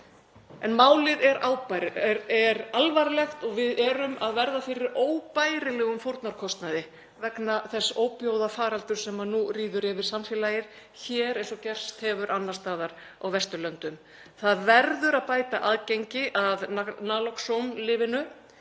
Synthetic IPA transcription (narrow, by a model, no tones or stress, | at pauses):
ɛnmaːwlɪðɛɾʔaːwpaɾɾɛɾalvaɾɪlɛxt̪ɔɣvɪðɛɾʏmaðvɛɾðafɪɾɪɾoːwpaːjɾɪlɛːɣʏmfowɾt̪naɾkʰɔst̪naðɪ | vɛknaθɛsːoːwpjoːwðafaːɾalt̪ʏɾ̥sɛmanuriːðʏɾɪvɪɾ̥samfɪːlajɪɾ̥ | çɛːɾẽjnsɔcɛr̥st̪hɛvʏɾʔanːast̪aːðaɾ̥ | a̰wvɛst̪ʏlœnt̪ʏm | θaðvɛɾðʏɾaðpaːjt̪aʔaːðcejɲcɪʔaðanaːlɔksowmlɪːvɪnʏ